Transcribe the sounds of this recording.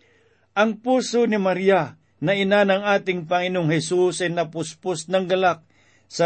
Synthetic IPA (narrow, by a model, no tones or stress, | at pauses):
ʔɐŋpuːsonɪmɐɾija | nɐʔɪnanɐŋaːt̪ɪŋpɐŋɪnoŋhɛsusɐjnɐpʊspʊsnɐŋɡɐlak̚ | sɐ